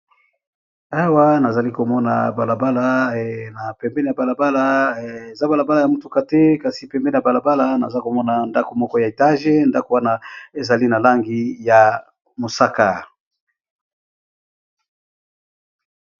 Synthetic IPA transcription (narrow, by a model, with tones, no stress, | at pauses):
a˦wa˦na˨za˨li˦ko˨mɔ˦na̰˨ba˨la˨ba˦la˦na˨pɛ˨mbɛ˦n˨a˨ba˨la˨ba˦la˦e˨za˦ba˨la˨ba˦la˨ja˨mu˨tu˦ka˦tɛ˦ka˨si˨pɛ˨mbɛ˦n˨a˨ba˨la˨ba˦la˦na̰˨za˦ko˨mɔ˦na˨nda˦ko˨mɔ˦kɔ˦ja˨e˨ta˦ʒe˦nda˦ko˨wa˦na˦e˨za˨li˦na˨la˦ŋɡi˦ja˨ | mo˨sa˦ka˨